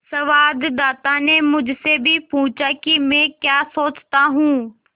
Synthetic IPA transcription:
sɐʋaːd̪d̪aːt̪aːnẽmʊ̃d͡ʑʱʊsebʱɪpʊ̃ːt͡ʃaːkimẽkjaːsoːt͡ɕt̪aɦũː

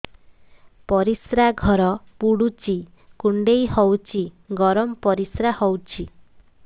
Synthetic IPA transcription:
pɔɾisɾaɡʱɔɾɔpuɽut͡ʃi | kuɳɖejhɔwt͡ʃʰi | ɡɔɾɔmpɔɾisɾahɔwt͡ʃʰi

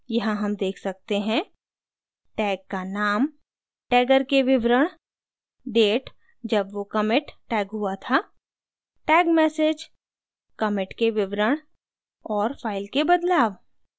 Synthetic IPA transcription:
jɐɦãɦɐmd̪eːkʰsɐk̚t̪eɦɛ̃ | ʈɛːkkːanaːm | ʈɛːɡəɾkeʋɪʋɾəɽ̃ | ɖeːʈ | d͡ʒɐbʋokɐmɪʈːɛːɡɦuat̪ʰa | ʈɛːɡmɛːsed͡ʒ | kɐmɪʈkeʋɪʋɾəɽ̃ | ɔːɾfʰaːɪlkebɐd̪laːʋ

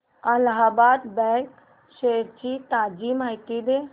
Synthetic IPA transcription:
ɐlɦabaːt̪bɛk | ʃeɾt͡ʃit̪ad͡ʒimajt̪id̪e

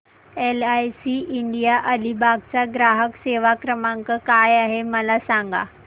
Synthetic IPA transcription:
elajsiʔiɳɖijaʔəlibʱaɡ̚t͡saɡɾaɦəkseʋakɾəmãŋkəkajaɦeməlasaŋɡa̰

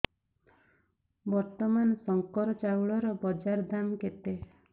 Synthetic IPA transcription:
bɔɾt̪ɔmansɔŋkɔɾɔt͡ʃawɭɔɾɔbɔd͡ʒaɾd̪amket̪e

